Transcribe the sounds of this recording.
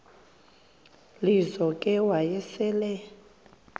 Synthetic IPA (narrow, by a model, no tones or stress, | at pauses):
lizɔkʼɛwajɛsɛːlɛ